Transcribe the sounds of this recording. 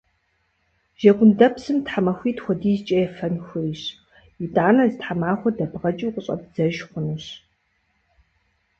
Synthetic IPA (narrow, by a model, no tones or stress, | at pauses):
ʒ̥ɐɡʷʊndɐpsɨmtħamɐxʷiːtxʷɔdiːzt͡ʃʼɐjɛfɐnxʷɨiɕ | idʼaːnɐzɨtħamaːχʷɔdɐbʁɐt͡ʃʼuqʼəɕʼɐ̰bz̥ɐʒχʷʊnuɕ